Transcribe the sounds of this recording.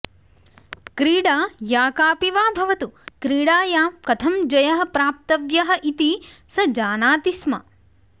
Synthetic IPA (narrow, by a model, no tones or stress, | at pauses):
kɾiːɽaːjaːkaːpiʋaːbʱɐʋɐt̪ukɾiːɽaːjaːmkɐt̪ʰɐmd͡ʒɐjɐɦɐ̆pɾaːp̚t̪ɐʋjɐɦɐʔit̪isɐd͡ʒaːnaːt̪ismɐ̰